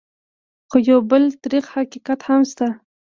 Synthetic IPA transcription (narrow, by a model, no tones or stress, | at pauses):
xojawbəlt̪aɾiqhaqiqat̪hamst̪a